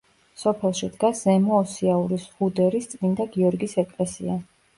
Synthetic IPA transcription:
sɔpʰɛlˠʃid̪ɡaszɛmɔːsiauɾisʁud̪ɛɾist̪sʼmind̪aɡiɔɾɡisɛkʼlɛsḭa

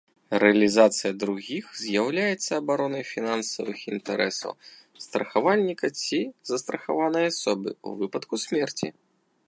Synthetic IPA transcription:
ɾɛɐlʲizat̪sɨjɐd̪ɾuɣʲixzʲjawlʲajɛt̪sːɐːbaɾɔnɐjfʲinansɐ̰vɨxint̪ɛɾʔɛsɐ̰w | st̪ɾɐxavalʲnʲikɐt͡sʲizɐst̪ɾɐxavanɐjɐasɔbɨ̰ṵvɨpɐt̪kusʲmʲɛrt͡sʲḭ

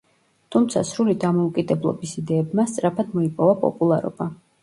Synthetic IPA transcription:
t̪ʰumt̪sʰa̰sɾulid̪amɔukʼid̪ɛblˠɔ̰bisid̪ɛːbmast̪sʼɾapʰad̪mɔipʼɔvapʼɔ̰pʼulˠaɾɔ̰b̥a

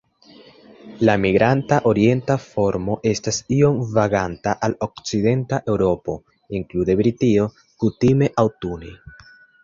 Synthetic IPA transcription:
lamiɡɾantaʔo̞ɾie̞ntafo̞ɾmo̞ʔe̞stasio̞mvaɡantaʔalo̞k̚t͡side̞ntaʔe̞wɾo̞po̞ | iŋklude̞bɾitio̞ | kutime̞ʔawtuni

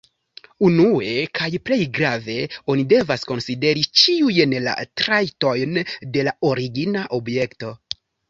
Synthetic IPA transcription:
unue̞kʰajple̞jɡɾave̞o̞nide̞vasko̞nside̞ɾit͡ʃiujnla̰tɾajto̞jnde̞lao̞ɾiɡinaʔo̞bje̞kto̞

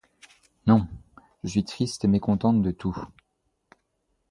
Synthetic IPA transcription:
nɔ̃ | ʒ̥əsɥit̪χist̪emekɔ̃t̪ɑ̃t̪̚d̪ət̪u

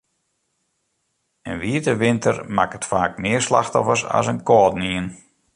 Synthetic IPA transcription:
ənʋiətəʋɪntʰərmakətfaːk̚mɪərsla̰xtɔfərsa̰sənkɔːtniən

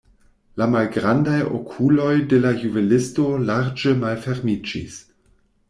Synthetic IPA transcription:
lamalɡɾandajo̰kʰulo̞jdelajuvelesto̞laɾd͡ʒemalfeɾmid͡ʒḭs

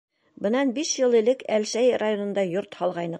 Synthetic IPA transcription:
bɤ̆nɑnbiʃjɤlˠĭlɘkælʃæjrajonŏnd̪ɑjoɾt̪hɒlˠʁɑjnɤ

